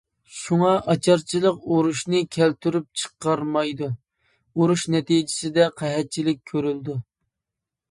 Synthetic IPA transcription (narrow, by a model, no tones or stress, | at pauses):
ʃuŋɑʔɑt͡ʃʰɑɾt͡ʃʰilˠəqoɾuʃnɨkʲʰælt̪ʰyɾyp̚t͡ʃʰə̥qːɑɾmɑjd̪u | oɾuʃnɛt̪id͡ʒɪ̥sɪd̪ɛqʰæɦɛt̪̚t͡ʃʰilɪk̚ʲkʲʰːøɾyld̪u